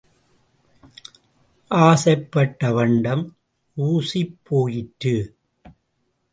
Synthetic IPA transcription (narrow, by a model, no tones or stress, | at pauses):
ʔaːsɐɪpːɐʈːɐʋɐɳɖɐm | ʔuːsipːoːjɪʈɾɯ